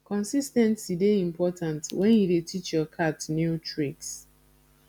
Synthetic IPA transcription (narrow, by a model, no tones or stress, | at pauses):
kɔ̃nsistɛ̃ntsideĩmpɔtʰãntwʔɛ̃njudetʰit͡ʃjɔkʰatnjutɹiks